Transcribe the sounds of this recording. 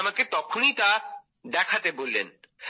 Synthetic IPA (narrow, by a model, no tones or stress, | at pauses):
maket̪ɔkʰonit̪a | d̪ɛkʰat̪ebolːen